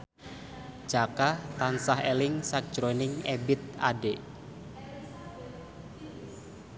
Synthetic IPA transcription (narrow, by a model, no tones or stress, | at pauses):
d͡ʒ̥akat̪ansahelɪŋsak̚ʒ̥ɾonɪŋebɪt̪̚ade